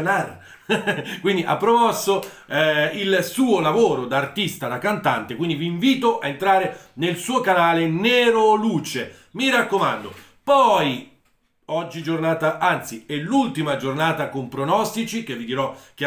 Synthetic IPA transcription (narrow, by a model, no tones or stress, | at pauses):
naɾ | kwind̪iʔa̰pːɾomɔsːo | ɛilsuːolavoːɾod̪aːrt̪ist̪ad̪akːant̪ant̪ekwind̪iviːɱviːt̪oʔaent̪ɾaːɾenelsuːokanaːlenɛːɾoluːt͡ʃe | miɾakːomand̪o̰ | pɔj | ɔd͡ʒːid͡ʒornaːt̪aʔant̪siɛlult̪imad͡ʒornaːt̪akompɾonɔst̪it͡ʃikevːid̪iɾɔka